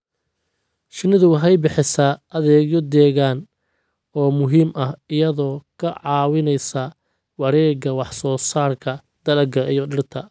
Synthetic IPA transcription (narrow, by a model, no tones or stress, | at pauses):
ʃɪnɪðʊwɑɦɛjbɪħɪsɐːðɛːɡjɔd̪ɛːɣaːn | ɔːmʊɦiːmʔɐhɪjɐðɔːkʰɐʕɑːwɪnɛjsɐ | wɑɾɛːɡɐwɑħsɔːsaːrkʰɐ | d̪̥ɐlɐɡɐijɔɖɪrt̪ʰɐ